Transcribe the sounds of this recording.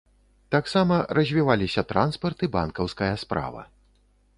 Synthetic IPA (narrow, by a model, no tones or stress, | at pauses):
t̪aksamɐrɐzʲvʲivalʲisʲɐt̪ɾanspɐrt̪ɨbankɐwskɐjɐspɾa̰vɐ̰